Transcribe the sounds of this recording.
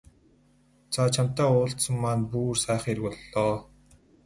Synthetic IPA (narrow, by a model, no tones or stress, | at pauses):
t͡sʰat͡ɕʰam̥t̪æːʊːɬt̪sə̆mːaːnpuːrsæːχeɾkɔɮːɔː